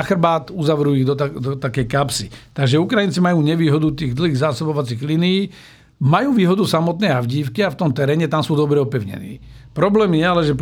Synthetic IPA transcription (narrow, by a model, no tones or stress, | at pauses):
xr̩baːt̪uzaʋɾujiɣd̪ɔad̪ɔt̪akɛjkapsit̪aɡʒɛukɾajint͡simajuːɲɛʋiːɦɔd̪ut̪iːɣd̪l̩ɦiːɣzaːsɔbɔʋat͡siːɣlinijiː | majuːʋiːɦɔd̪usamɔt̪nɛːavɟiːfkiaft̪ɔmt̪ɛɾɛːɲɛt̪amsuːd̪ɔbɾɛɔpɛʊɲɛ̰nḭːpɾɔblɛːmjɛalɛʒɛp